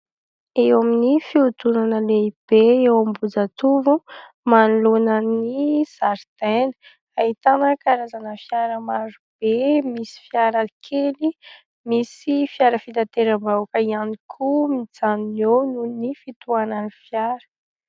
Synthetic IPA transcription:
ewaminifiut̪unanəleib̥eewambud͡zat̪uvu | manulunəniz̥aɾt̪enə̥ | aɦit̪anəkaɾazanəfjaɾəmaɾub̥emisi̥fjaɾəkʰeli | misifjaɾəfit̪at̪eɾəmbawkəianikʰumid͡zaninownunifit̪uanənifjaɾə̥

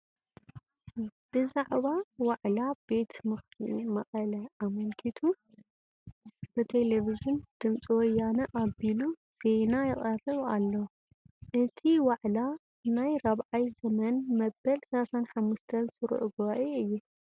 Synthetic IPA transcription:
b̥ɨzaʕβawaʕlabe̞t̪ʰmɨxtʰḭmɐχʼɐlɐʔamɐlkʰit̪ʰu | b̥ɨt̪ʰe̞levizund̪̥ɨmt͡sʼiwɔjanɐʔaβilu | z̥e̞najɪχʼɐrɨβa̰lːɐw | ʔɨt̪ʰiwaʕla | najɾaβʕajzɐmɐnmɐbːɐlsɐlasanħamːuʃt̪ʰɐnsɨɾ̰ʔuɡɨβaʔeɨjːu

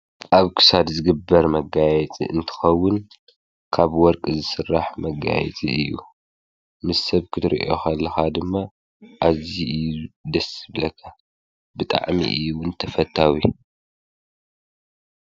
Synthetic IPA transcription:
ʔaβkʰɨ̥sad̪zɨɡɨbːɐɾmɐɡajɛt͡sʼḭʔɨnt̪ʰɨ̥xɐwːʊn | kʰaβwɔɾkʼzɨsɨrːaħmɐɡa̰jɛ̰t͡sʼiɨjːu | mɨssɐβkʰɨt̪ʰɨɾḭʔo̞̰xɐlːɐxad̪ɨmːa | ʔaziɨjd̪ɐsɨβlɐkʰːa | bɨt̪ʼa̰ʕmḭʔɨjuwʊnt̪ʰɐfɐt̪ʰːawi

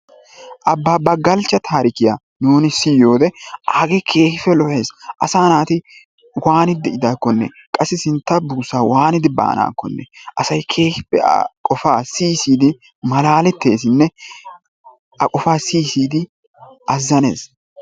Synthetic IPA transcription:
ʔɐbːaːbɐɡɐlt͡ʃːɐt̪ʰaːɾɪkɪja̰ː | nuːnɪsɪjo̞ːd̪ɛaːɡekʰe̞ːhɪfɛlɔhe̞ːsʔɐsaːnaːt̪ɪ | waːnɪd̪ɛɪd̪aːkːɔnːɛ̰ | kʼɐsːɪsɪnt̪ːɐbuːsaːwaːnɪd̪ɪba̰ːna̰ːkːɔnːɛ̰ʔɐsɐjkʰe̞ːhɪpːɛ̰kʼɔfaːsiːsiːd̪ɪ | mɐlaːlɛt̪ːe̞ːsɪnːɛ | ʔɐ̰kʼɔfaːsiːsiːd̪ɪ | ʔɐzːɐnḛːs

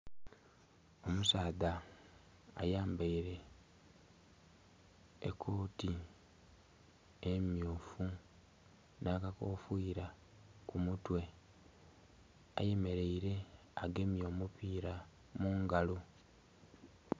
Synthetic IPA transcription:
o̞musaːða̰ː | jaːmbaiɾe̞ | kʰːo̞ːti | emjuːfu | naːkako̞ːfiːɾa | kumutwe̞ | a̰jeme̞ɾe̞iɾe̞ | aɡe̞mjo̞ːmupiːɾa | muːŋɡalo

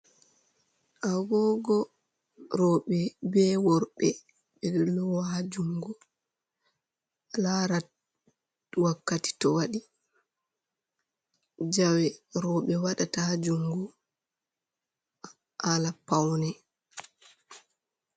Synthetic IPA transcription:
ʔaɡɔɡɔ | ɾɔɓɛbɛwɔɾɓɛ | ɓɛdlɔwahad͡ʒuŋɡu | alaɾa | wakːati̥tɔwaɗi | d͡ʒawɛɾɔɓɛwaɗatahad͡ʒuŋɡu | ʔalapawnɛ

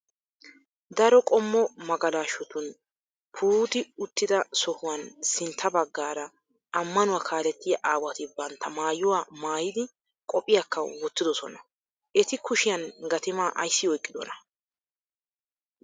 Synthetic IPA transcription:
d̪ɐɾɔkʼɔmːɔmɐɡɐlaːʃɔt̪ʊn | pʰuːd̪ɪʊt̪ːɪd̪ɐsɔhʊwɐnsɪnt̪ʰːɐbɐɡːaːɾɐː | mːɐnʊwaːkʰaːlɛt̪ːɪjɐʔaːwɐt̪ɪbɐnt̪ːɐmaːjʊwaːmaːjɪd̪ɪ | kʼɔpʼːɪjakːɐwɔt̪ːɪd̪ɔsɔnɐ | ʔɛt̪ɪkʊʃɪjɐnɡɐt̪ɪmaːʔɐ̰jsːɪɔjkʼːɪd̪ɔ̰nɐ

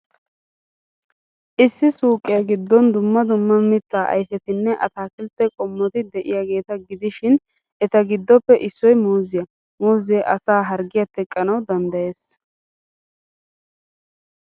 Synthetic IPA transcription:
ʔɪsːɪsuːkʼːɪjɐɡɪd̪ːɔnd̪ʊmːɐd̪ʊmːɐmɪt̪ːaːʔɐ̰jfɛt̪ɪnːɛʔɐt̪aːkɪlt̪ːɛkʼɔmːɔt̪ɪd̪ɛʔɪ̰jaːɡe̞ːt̪ɐɡɪd̪ɪʃɪn | ɛt̪ɐɡɪd̪ːɔpːɛʔɪsːɔjmuːzɪjɐ | moːzɛʔɐsaːɦɐɾɡɪjɐt̪ɛkʼːɐnɐwd̪ɐnd̪ɐje̞ːs

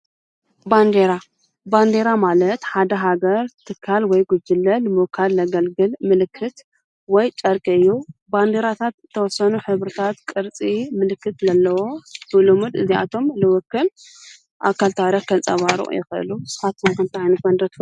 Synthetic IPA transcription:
band̪eɾa | band̪e̞ɾamalɐt̪ħad̪ɐɦaɡɐɾt̪ʰɨkʰːalwɔjɡud͡ʒɨlːɐlɨmukʰːalːɐɡɐlɡɨlmɨlɨkʰːɨt̪ | wɔjt͡ʃʼɐɾkʼiɨjːuband̪eɾat̪ʰat̪t̪ʰːɐwɔsɐnuħɨβɾɨt̪ʰat̪kʼɨɾt͡sʼimɨlɨkːɨt̪zɐlːɐwobɨlumud̪ɨziʔa̰t̪ʰo̞mlɨwɔkːɨl | ʔa̰kʰːalt̪ʰaɾakʰɐt͡sʼɐβaɾṵʔjɪ̰xɨɨ̰lusɨ̥fat̪ɐnkʰɐmt̪ʰiʕajnɨɐnd̪ɾɐt̪

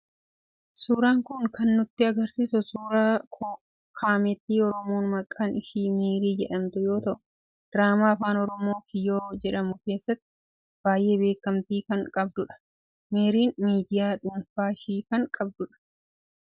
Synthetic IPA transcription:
suːɾaːŋkʊŋkɐnːʊt̪ːɪɐɡɐɾsiːsʊsuːɾaːkː | kʰaːmɛt̪ːiːɔɾɔmo̞ːnmɐkʼːaːnɪʃiːmeːɾiːd͡ʒɛᶑɐmt̪ʊjo̞ːt̪ɐʔʊ̥ | d̪̥ɾaːmaːɐfaːnɔɾɔmo̞ːkɪjo̞ːd͡ʒɛᶑɐmʊke̞ːsːɐt̪ːɪ̥ | b̥aːjʔe̞ːbe̞ːkːɐmt̪iːkɐŋkʼɐb̚d̪ʊᶑɐ̥ | meːɾiːnmiːd̪ɪjaːᶑʊmfaːʃiːkɐŋkʼɐb̚d̪ʊᶑɐ̥

